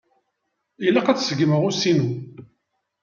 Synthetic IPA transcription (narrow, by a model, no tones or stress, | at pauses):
ilːæqæt͡ssəɡməʁusinu